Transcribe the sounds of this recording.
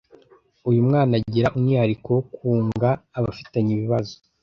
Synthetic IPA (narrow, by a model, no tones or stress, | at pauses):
ujumŋaːnaɟiɾaʔumŋiːhaɾikowokʰuːŋɡaːβafitaɲiβiβazo̥